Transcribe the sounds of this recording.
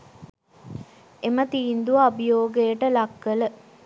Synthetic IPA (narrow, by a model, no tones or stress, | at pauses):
emət̪iːnd̪uʋɐbijoːɡejəʈəlɐkːələ